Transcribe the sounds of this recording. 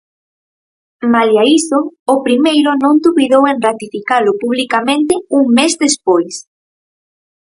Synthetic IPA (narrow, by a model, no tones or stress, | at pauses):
maliaisoːpɾimejɾʊnõnd̪uβiðowenrat̪ifikalʊpuβ̞likamẽnt̪ɪuŋmezðespojs